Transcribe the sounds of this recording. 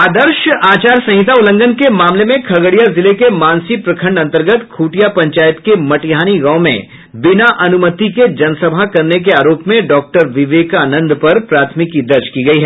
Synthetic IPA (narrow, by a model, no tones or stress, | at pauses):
aːd̪əɾʃaːt͡ʃaːɾsɐ̃ɦɪt̪aʊlə̃ŋɡənkemaːmlemẽkʰɐɡəɽijazɪlekemãːnsipɾɐkʰə̃ɳɖɐ̃nt̪əɾɡət̪kʰuːʈijapɐ̃ɲt͡ʃaːjət̪kemɐʈɪjɦaːniɡɐ̃ʊmḛ̃ | bɪnaʔɐnʊmət̪iked͡ʒɐnsɐbʱakɐɾnek̬eaːɾoːpmẽɖɔːk̚ʈəɾʋɪʋeːkaːnə̃nd̪pɐɾpɾaːt̪ʰmɪkːid̪ɐɾd͡ʒkiɡɐiɦɛː